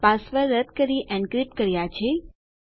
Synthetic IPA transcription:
pasʋəɾːət̪kəɾiʔɛ̃ɳkɾip̚kəɾjat͡ʃʰe

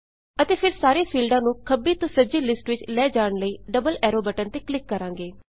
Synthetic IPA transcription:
ət̪eːpʰɪɾsaːɾeːpʰiːlɖãːnũːkʰəbiːt̪osəd͡ʒiːlɪsʈʋɪt͡ʃlɛːd͡ʒaːɳləiːɖəbəlɛːɾoːbɛʈənt̪eːklɪkːəɾãːŋɡeː

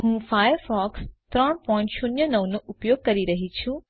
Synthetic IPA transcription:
ɦũːfaːjəɾfɔːkst̪ɾɐɽ̃pɔ̃ːɪ̃ɳʈʃʰʊnjənɐʋnuʔʊpjoːɡ̚kɐɾiɾɐɦit͡ɕʰjũ

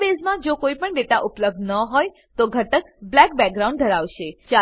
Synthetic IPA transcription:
bezmãd͡ʒokoipəɳɖet̪aʔʊpləb̚d̪nəɦoj | t̪oɡʱəʈəkblɛk̚bɛk̚ɡɾaũɳɖ̚d̪ʱəɾaʋʃet͡ʃa

